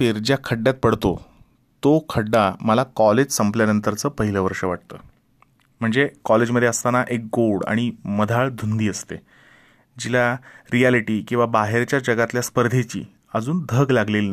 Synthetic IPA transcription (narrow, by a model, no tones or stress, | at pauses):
eɾd͡ʑjakʰəɖːjat̪̚pəɽt̪o | t̪okʰəɖːaməlakɔled͡ʑsəmpljanənt̪əɾt͡səːpəɦiləʋəɾʂəʋaʈ̚t̪ə̰ː | m̤əɳd͡zekɔled͡ʑməd̪ʱeəst̪anaʔek̚ɡoɽa̰ɽ̃iməd̪ʱaɭd̪ʱund̪iːəst̪e | d͡ʑilaɾialiʈiːkĩw̃ʋabaɦeɾt͡ɕjad͡ʑəɡat̪ljaspəɾd̪ʱet͡ɕḭː | əd͡zuːnd̪ʱəɡlaɡleln